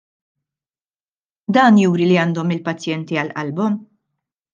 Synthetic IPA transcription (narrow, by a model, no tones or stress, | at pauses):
d̪ɐːnjuːɾiliɐːnd̪ɔmɪlpɐt͡sːjɛnt̪iɐlʔɐlbɔm